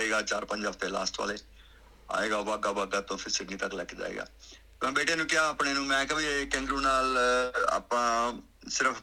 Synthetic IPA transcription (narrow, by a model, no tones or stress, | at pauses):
eːɡaːt͡ʃaːɾpə̃ɲd͡ʒəft̪eːla̰ːsʈʋa̰ːleː | a̰ːeːɡaːʋaːɡaːʋaːɡaːt̪õːpʰɪɾsɪɖniːt̪əklɛːkd͡ʒa̰ːḛːɡa̰ː | t̪mɛ̃ːbeːʈjãːnũːkɪaːaːpɳeːnũːmɛ̃ːkəbeːkɛ̃ːŋɡɾũːnaːla̰ːpãː | sɪɾəf